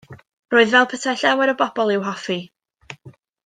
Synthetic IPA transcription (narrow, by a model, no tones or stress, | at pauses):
roːɨðvɛlˠpʰətʰajɬɛwɛɾɔbɔb̥ɔlˠɪwɦɔfi